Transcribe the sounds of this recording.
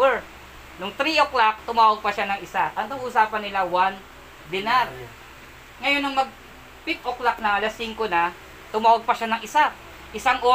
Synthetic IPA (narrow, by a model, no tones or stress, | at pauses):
ɛɹ | nʊŋt̪ɾiʔoklak̚t̪ʊmaːwaɡ̚pɐʃanɐŋʔɪsaʔɐŋt̪ɐɡʔʊsaːpɐnːɪlawan | d̪ɪnaɾ | ŋɐjonːɐŋmɐɡ̚ | pɪt̪ʔoklak̚nɐŋʔɐlasiŋkonɐ | t̪ʊmaːwaɡ̚pɐʃanɐŋʔɪsa | ʔɪsaŋʔo